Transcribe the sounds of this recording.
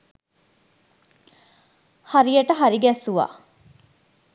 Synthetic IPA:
haɾijɐʈəɦaɾiɡæːsuʋa̰ː

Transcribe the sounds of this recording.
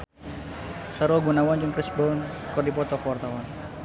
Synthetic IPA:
saɾɔɡunawand͡ʒʊŋkɾɪsbɔnkɔrdipɔt̪ɔkɔwart̪awan

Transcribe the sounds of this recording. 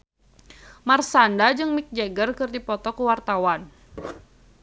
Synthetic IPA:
marsandad͡ʒɨŋmik̚d͡ʒeɡərkɨrdipɔt̪ɔkuwart̪awan

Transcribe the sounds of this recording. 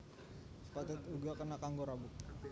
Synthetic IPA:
spat̪ɛt̪uɡakənakaŋɡoɾabuk̚

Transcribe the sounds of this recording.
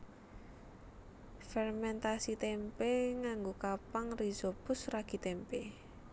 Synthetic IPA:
fɛrmɛnt̪asit̪ɛmpeŋaŋɡokapaŋrizobʊsraɡ̥i̤t̪ɛmpe

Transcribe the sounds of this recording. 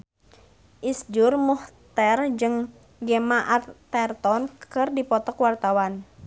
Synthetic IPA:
ʔisd͡ʒurmuht̪ɛrd͡ʒɨŋ | ɡɛmaʔat̪ɛrt̪ɔnkɨrdipɔt̪ɔkwart̪awan

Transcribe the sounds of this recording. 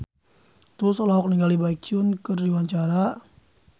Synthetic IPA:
t̪ɾʊsɔlɔɦɔk̚niŋɡalibaik̚t͡ʃʊnkɨrdiwaɲt͡ʃaɾa

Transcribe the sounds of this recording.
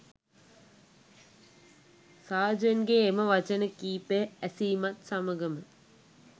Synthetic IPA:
saːd͡ʒɐnɡeːmɐʋɐt͡ɕɐnɐkiːpeɐsiːmɐt̪sɐmɐɡɐmɨ

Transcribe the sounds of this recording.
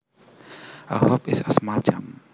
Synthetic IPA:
a̰hɔpɪsasmald͡ʒam

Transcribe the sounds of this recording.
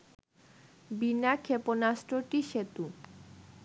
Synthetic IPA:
binakʰeponasʈɾoʈiʃet̪u

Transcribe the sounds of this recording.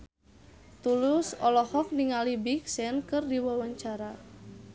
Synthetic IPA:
t̪ulʊsɔlɔhɔk̚niŋalibik̚sɛnkɨrdiwawaɲt͡ʃaɾa

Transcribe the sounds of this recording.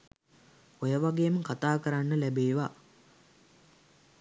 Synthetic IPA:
ojəʋaɡeːməkat̪aːkəɾanːəlæbeːʋa

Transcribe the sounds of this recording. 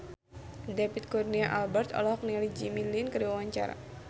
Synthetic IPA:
depit̪̚kurniaʔalbɛrt̪ɔ̰lɔhk̚nɛlid͡ʒimilinkəɾiwawaɲt͡ʃa̰ɾa̰

